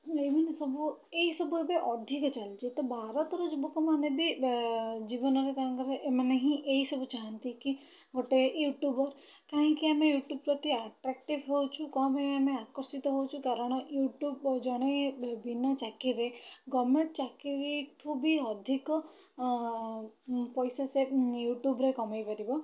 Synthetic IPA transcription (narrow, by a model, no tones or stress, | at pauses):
eminesɔbʱueisɔbʱuebeʔɔd̪ʱikɔt͡ʃalt͡ʃet̪ɔbʱaɾɔt̪ɾɔd͡ʒɔbukɔmanebi | d͡ʒibɔnɔɾet̪aãŋkɔɾeʔemaneɦĩʔeisɔbʱut͡ʃaɦãnt̪iki | ɡoʈejuʈjubɔɾ | kaɦĩkiamejuʈjub̚pɾɔt̪iaʈɾak̚ʈibʱɦowt͡ʃʰukɔmeameakɔɾsit̪ɔɦowt͡ʃʰukaɾɔɽ̃ɔjuʈjubd͡ʒɔɽ̃ebinat͡ʃakiɾeɡɔmeɳʈt͡ʃakiɾikʰubiɔd̪ʱikɔ | pɔjsasejuʈjubɾekɔmajpaɾibɔ